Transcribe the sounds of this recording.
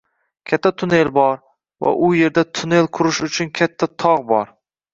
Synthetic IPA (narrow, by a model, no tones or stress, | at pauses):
kʲʰat̪ʰːat̪ʰʊne̞lbɒɾ | va̰ʔʊje̞ɾd̪at̪ʰʊne̞lqʰʊɾɪʃʊt͡ʃʰʊnkʲʰat̪ʰːat̪ʰɒʁbɒɾ